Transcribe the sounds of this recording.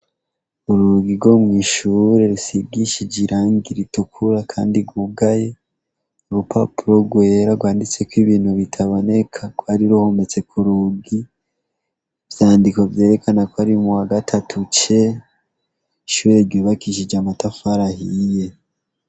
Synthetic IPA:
uɾuɡiɾɡo̞mŋiːʃuɾe̞ɾusibɡiʃid͡ʒiɾʔaːŋɡiɾitukʰuɾakʰa̰ːndiɡwub̚ɡaje̞ | oɾupʰapuɾo̞ɡwe̞ːɾaɡwaːndit͡se̞kwiβiːnhuβitʰaβone̞kʰakwaɾiɾuhomet͡se̞kʰuɾuɡi | v̥jaːndikwavje̞ːɾe̞kanakwaɾimuwaɡatʰatʰut͡ʃe̞ | iʃuːɾe̞ɾɟoːβakiʃ̬id͡ʒamatafaɾahije̞

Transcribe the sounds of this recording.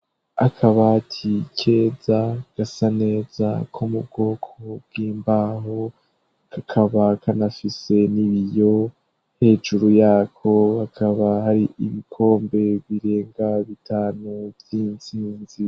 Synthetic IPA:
a̰kʰaβatʰicʰe̞ːzaɡ̥asane̞ːz̥a̰kʰomub̚ɡo̞ːkʰob̚ɡiːmbaːɦo | kʰakʰaβakʰanafise̞niβijo̞ | he̞ːd͡ʒuɾujaːkʰo̞βakʰaβahaɾiʔiβikʰo̞ːmbe̞βiɾe̞ːŋɡaβitʰaːnuvjiːnt͡siːnzi

